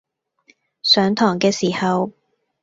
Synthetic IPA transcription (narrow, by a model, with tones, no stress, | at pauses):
sœː˨˥ŋt̪ʰɔː˨˩ŋkɛː˧siː˨˩hɐ˨w